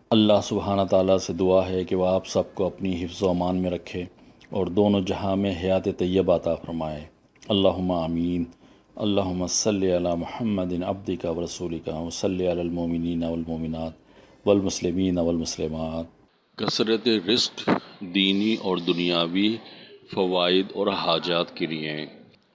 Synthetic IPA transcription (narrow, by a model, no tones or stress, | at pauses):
ɐlːaːɦsʊbɦaːnat̪aːlased̪ʊaɦɛkeʋoaːpsɐb̚koɐpniɦɪfzaːmaːnmẽɾɐkʰːe | ɔːɾd̪oːnõd͡ʒɐɦãmẽɦɐjaːt̪et̪ɐjːəbaɐt̪afɐɾmaːẽː | ɐlːaːɦʊmːaaːmiːn | ɐ̰lːaːɦʊmːasɐlːiɐlaːmʊhəmːəd̪ɪnɐ̰b̚d̪ɪkaʋɐɾɐsuːlɪkaʋɐsɐlːiɐlaːlmoːmɪniːnaʋɐlmoːmɪnaːt̪ | ʋɐlmʊslɪmiːnaʋɐlmʊslɪmaːt̪̚ | kɐsɾət̪eɾɪskd̪iːniʔɔːɾd̪ʊnijaːwifɐʋaːɪd̪ɔːɾɦaːd͡ʒaːt̪keliẽ